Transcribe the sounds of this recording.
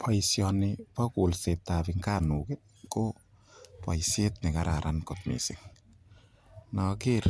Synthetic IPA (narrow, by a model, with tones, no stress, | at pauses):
pʰɔ˨jsjɔ˧ni˧pɔ˦ku˨lse˨t̪ːa˨bi˧ŋka˦nu˨ke˦ | ko˦ | pʰɔ˨jse˦t̪̚ni˨ka˧ɾa˨ɾʔa˧nko˨t̪̚mḭ˨si˨ŋ | nɔ˧ki˦ɾ